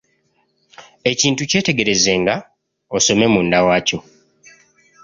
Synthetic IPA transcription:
e̞ciːntuce̞ːte̞ɡe̞ɾe̞ze̞ŋɡa | oso̞me̞mundawaːco̞

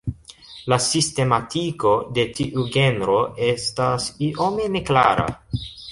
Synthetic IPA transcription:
lasiste̞matiko̞de̞tiʔuɡe̞nɾo̞e̞stasiʔo̞me̞ne̞klaɾa̰

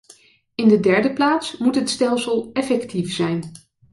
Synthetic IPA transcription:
ɪndədɛɹdəplaːtsmutɦətstɛlˠsəlˠɛfɛktifsɛjn

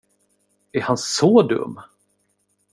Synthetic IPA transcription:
æɾhansɔd̪ɵ̰mː

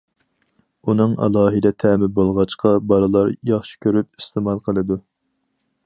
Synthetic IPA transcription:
unɨŋɑ̰lˠɑːɦɨd̪ɛt̪ʰɛmɪbolˠʁɑt͡ʃqɑbɑɾɨlˠɑɾjɑχʃi̥kʲʰøɾyp̚ist̪ʰɨmɑlˠqʰəlˠɨd̪u

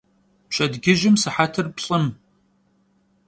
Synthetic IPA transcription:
pɕʼɐdɡʲɪʒɪmsɨħatʰɨrpɕʼɨm

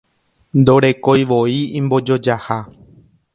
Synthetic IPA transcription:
nd̪o̞ɾe̞ko̞jʋo̞iĩmbo̞d͡ʒo̞d͡ʒaha

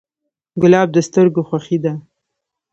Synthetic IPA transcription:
ɡʊlɑb̚d̪əst̪əɾɡoxwaxid̪a

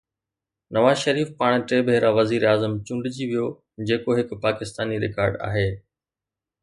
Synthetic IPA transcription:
nɐʋaːzʃɐɾiːfpaːɽ̃ʈɾeːbʱeːɾaʋɐziːɾaːzəmt͡ɕʊ̃ːɳɖɪd͡ʑiʋijo | d͡ʑeːkoɦɪkʊ̆paːkɪst̪aːniɾɪ̰kaːɾɖa̰ːɦeː

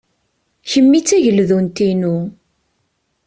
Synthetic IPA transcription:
çəmːit͡sːæʝəlðunt̪inu

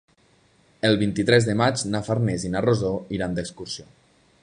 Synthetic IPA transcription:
əlˠβint̪it̪ɾɛzðəmad͡ʒnafaɾnɛzinarozoiɾand̪əkskursijo

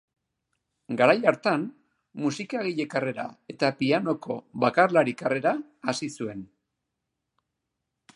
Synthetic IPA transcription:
ɡaɾajaɾt̪an | musikaɣiʎe̞kare̞ɾa̰e̞t̪apiano̞ko̞βakarlaɾikare̞ɾaː | sisue̞n

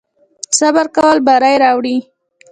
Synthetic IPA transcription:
sabaɾkawəlbaɾajɾɑwɽi

